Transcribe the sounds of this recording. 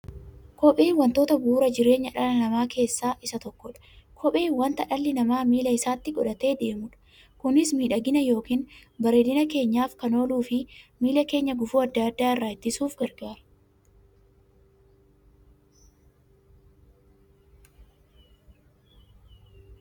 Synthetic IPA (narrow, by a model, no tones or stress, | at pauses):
kɔpʼeːwɐnt̪oːt̪ɐbuːɾɐd͡ʒɪɾe̞ːɲːɐᶑɐlɐnɐmaːke̞ːsːaːʔɪsɐt̪ɔkːɔᶑɐ̥kʰɔpʼeːwɐnt̪ɐᶑɐlːɪnɐmaːmiːlɐɪsaːt̪ːɪɡɔᶑɐt̪e̞ːd̪e̞ːmʊᶑɐ̥ | kʊnɪsmiːᶑɐɡɪnɐjo̞ːkiːnbɐɾe̞ːd̪ɪnɐke̞ːɲːaːfkɐno̞ːluːfɪmiːlɐke̞ːɲːɐɡʊfuːɐd̪ːad̪ːaːɪrːaːɪt̪ːɪsuːfɡɐɾɡaːɾɐ